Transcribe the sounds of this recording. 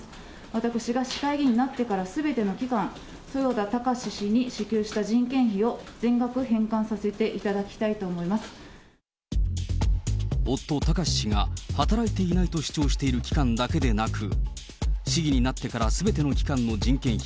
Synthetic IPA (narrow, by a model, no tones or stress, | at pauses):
βat̪akɯ̟ɕiɡaɕi̥kaiɡʲiɲ̟inat̪ːe̞kaɾasɨbe̞t̪e̞no̞kʲikãñ | so̞jo̞ːd̪at̪akaɕiɕiɲ̟iɕɨkʲɨːɕi̥t̪aʑĩŋkẽ̞ɰ̃çio̞d͡zẽ̞ŋɡakɯ̟hẽ̞ŋkãɰ̃sase̞t̪e̞ʔit̪ad̪akʲi̥t̪ait̪o̞ːmo̞imasɨ̥ | o̞t̪ːo̞t̪akaɕi̥ɕiŋa̰hat̪aɾait̪e̞inait̪o̞ɕi̥t͡ɕo̞ːɕi̥t̪e̞iɾɯ̟kʲi̥kãnd̪ake̞d̪e̞nakɯ̟ | ɕiɡʲiɲ̟inat̪ːe̞kaɾasɨbe̞t̪e̞no̞kʲi̥kãnːo̞d͡ʑĩŋkẽ̞ɰ̃çi̥